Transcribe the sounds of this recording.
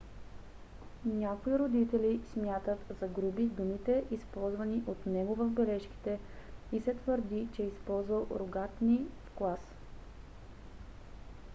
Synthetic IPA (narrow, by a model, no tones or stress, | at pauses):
nʲakoiɾod̪it̪ɛlismʲjat̪ət̪zɐɡɾubid̪umit̪ɛʔispɔlˠzvəniʔot̪nɛɡovɐvbɛlɛʃki̥t̪ɛ | isɛt̪vəɾd̪it͡ʃɛɛispɔlˠzvəlˠɾoɡat̪nifklˠas